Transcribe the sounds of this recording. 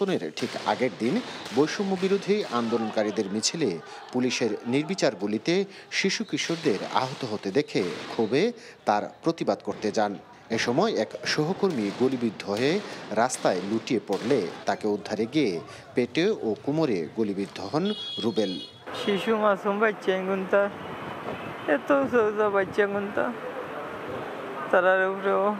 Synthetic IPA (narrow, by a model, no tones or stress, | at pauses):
oneɾʈʰika̰ɡeʈ̚d̪inbojʃumːobiɾud̪ʱiʔand̪olonkaɾid̪eɾmit͡ɕʰile | puliʃeɾniɾbit͡ɕaɾɡulit̪e | ʃiʃukɾiʃoɾd̪eɾa̰ɦot̪oɦot̪ed̪ekʰekʰube | t̪aɾpɾot̪ibad̪koɾt̪ed͡ʑan | eʃɔmɔeɛkʃoɦokoɾmiɡolibid̪ʱːoeɾast̪aeluʈiepoɽlet̪akeud̪ʱːaɾeɡie | peʈeokumoɾeɡolibid̪ʱːoɦɔnɾubel | ʃiʃumasumbatːt͡ʃːanɡunt̪a | et̪osozabatɕaɡunt̪a | t̪aɾaɾepɾe